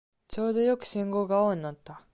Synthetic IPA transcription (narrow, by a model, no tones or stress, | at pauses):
t͡ɕo̞ːd̪o̞jo̞kɯ̟̥ɕĩŋɡo̞ːɡaoːɲ̟inat̪ːa